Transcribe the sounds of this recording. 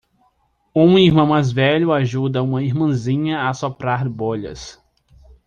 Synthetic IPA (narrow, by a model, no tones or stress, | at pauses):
ũihmɐ̃w̃majzvɛʎʊaʒud̪ɐũmɐiɾmɐ̃zĩɲɐasopɾaɾboʎɐ̰s